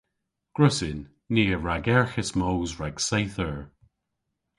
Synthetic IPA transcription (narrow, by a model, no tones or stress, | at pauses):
ɡ̥ɹʊsɪnː | iːəɹaɡɛɹxəsmowzɹaɡ̥sejθəɹ